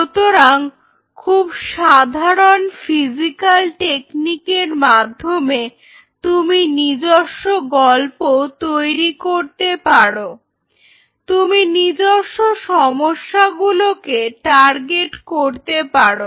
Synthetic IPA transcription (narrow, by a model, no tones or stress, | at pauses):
ʃut̪oɾaŋ | kʰubʃad̪ʱaɾonfid͡ʑikalʈeknikeɾmad̪ʱːome | t̪uminid͡ʑoʃːoɡɔlpot̪ojɾikoɾt̪epaɽo | t̪uminid͡ʑoʃːoʃɔmoʃːaɡulokeʈaɾɡeʈkoɾt̪epaɽo